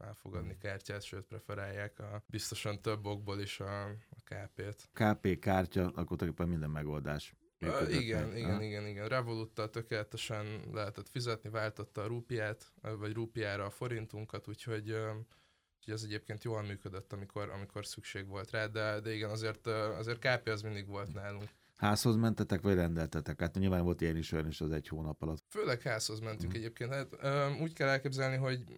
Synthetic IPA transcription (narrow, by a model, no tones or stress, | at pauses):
ɛ̰lfo̞̰ɡɒd̪nikaːrcaːt̪ʃøːt̪̚prɛfɛɾaːjːaːkɒbist̪o̞ʃɒnt̪ø̞bːo̞ɡ̚boːliʃɒːkaːpeːt̪kaːpeːkaːrcɒʔɒkot̪kepːɛmːind̪ɛmːɛɡo̞ld̪aːʃ | myːiɡɛniɡɛniɡɛniɡɛnrɛvo̞lut̪ːɒlt̪ø̞keːlɛt̪ɛʃɛnlʔɛɦɛt̪ɛt̪fizɛt̪nivaːlt̪o̞t̪ːɒːɾuːpijaːt̪ːvɒɟruːpijaːɾɒːfo̞ɾint̪uŋkɒt̪uːcho̞ɟø | uhoɟɛzɛɟeːp̚keːnt̪joːɒmmːyːkød̪øt̪ːɒmikʰo̞ɾɒ̰mikʰo̞rsykʃeːɡʋo̞lt̪raːd̪ɛd̪ɛiɡɛnɒzeːrt̪øɒ̰zeːrt̪̚kaːpeːɒzmind̪iɡʋo̞lt̪naːluŋk | haːsho̞zmɛnt̪ɛt̪ɛkʋɒɟrɛnd̪ɛlt̪ɛt̪ɛkːaːt̪ɲilvaːnvo̞lt̪ijɛniʃojɒniʃɛzɛchoːnɒpɒlɒt̪føːlɛkhaːsho̞zmɛnt̪yŋkɛɟeːp̚keːnt̪haːt̪øːuːckɛlːɛlkeːbzɛlniɦo̞ɟ